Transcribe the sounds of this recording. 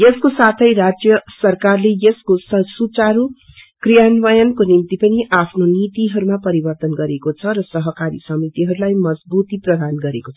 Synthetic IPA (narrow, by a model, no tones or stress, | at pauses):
jʌskosat̪ʰʌjrad͡zjʌsʌrkarlejʌskosʌsut͡saɾu | krijanwʌjʌnkonimt̪ipʌniʔapʰnonit̪iɦʌɾumapʌɾibʌrt̪ʌnɡʌɾekot͡sʰʌɾʌsʌɦʌkaɾḭsʌmit̪iɦʌɾulajmʌd͡zbut̪iprʌd̪ʱanɡʌɾekot͡sʰʌ